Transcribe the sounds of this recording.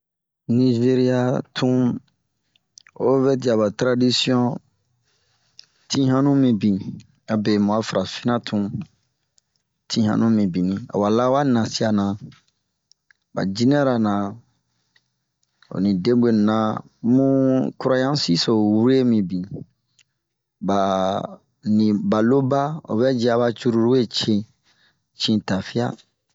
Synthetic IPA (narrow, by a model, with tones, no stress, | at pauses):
ni˧ʒe˦ɾi˦a˦tʰũ˦ | o˦vɛ˦di˨a˨ba˨tɾa˦di˦si˦ɔ̃˦ | tʰĩ˦ɦã˦nũ˦mĩ˨bĩ˨ | a˨be˨mũ˨a˨˦fɾã˨fi˦nã˦tʰũ˨˦ | tʰĩ˦hã̰˦nũ˦mĩ˨bĩ˨nĩ˦a̰˨wa˨la˦wa˦nã˨si˦a˨nã˨ | ba̰˨d͡ʒi˦nɛ̃˦ɾa˨nã˨ | o̰˨nĩ˨de˦be˨nã˨˦ | mũ˦ku˦ɾa˦jã˦si˦so˨wu˦ɾe˦mĩ˨bĩ˨ | ba˨ | nĩ˨ba˨lo˦ba˦o̰˨βɛ˦d͡ʒi˦a˨βa˦t͡ʃu˦ɾu˦ɾu˦we˦t͡ʃẽ˦ | t͡ʃĩ˧˦ta˨fi˦a̰˦